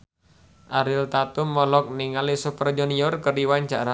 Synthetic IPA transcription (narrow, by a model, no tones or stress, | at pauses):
ʔaɾɪlt̪at̪umːɔlɔk̚niŋalisupərd͡ʒuniɔrkərdiwaɲt͡ʃaɾa